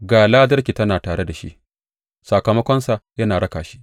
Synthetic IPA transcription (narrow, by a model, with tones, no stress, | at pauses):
ɡaː˨laː˦dɐ˦rkʲi˨tɐ˦naː˨taː˨ɽe˦da˨ʃḭ˦ʔ | sɐ˨kɐ˨mɐ˦kʷɔɐ˦nsa˨jɐ˦naː˨ɽɐ˦kaː˨ʃi˦ʔ